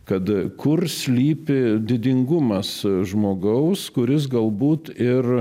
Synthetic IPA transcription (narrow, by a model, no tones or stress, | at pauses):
kɐt̪kʊrsʲlʲiːpʲɪd̪ʲɪd̪ʲɪŋɡʊmɐsʒmoːɡɐʊskʊɾʲɪs̬ɡɐlˠbuːt̪ɪr